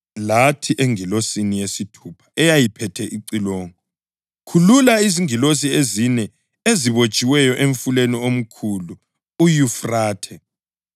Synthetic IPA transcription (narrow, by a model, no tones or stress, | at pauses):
latʰiʔeŋilosinijesitʰupʰḁɛjajipʰɛtʰɛʔiǀiloːŋɔ | kʰululaiziŋilos̬iezinɛ | eziβot͡ʃʼiwɛjɔʔeɱfuleniom̩kʰulu | ujufraːtʰɛ